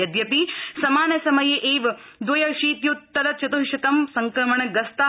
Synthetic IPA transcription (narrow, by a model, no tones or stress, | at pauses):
ɐd̪jɐpisɐmaːnɐsɐmɐjeʔeːʋɐd̪ʋɐjɐʃiːt̪jut̪ːɐlɐt͡ʃɐt̪uɦiʃɐt̪ɐmsɐŋkɾɐmɐɳɐɡɐst̪a